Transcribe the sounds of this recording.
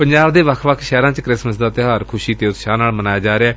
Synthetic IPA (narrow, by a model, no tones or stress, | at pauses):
pəɲd͡ʒaːbd̪eːʋəkʰʋəkʰʃɛːɾãːt͡ʃkɾɪsməsd̪aːt̪ɪɦaːɾkʰʊʃiːt̪eːʊt̪ʃaːnaːlmənaːjaːd͡ʒaːɾeaː